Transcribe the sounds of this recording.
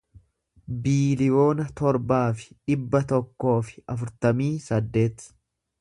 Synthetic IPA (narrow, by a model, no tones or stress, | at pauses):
biːlɪjo̞ːnɐt̪ɔɾbaːfɪ̥ᶑɪbːɐt̪ɔkːo̞ːfɪ̥ɐfʊɾt̪ɐmiːsɐd̪ːe̞ːt̪